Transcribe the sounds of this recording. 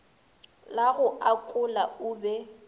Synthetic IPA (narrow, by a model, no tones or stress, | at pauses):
laɣʊʔakʼʊlaʊːbɛ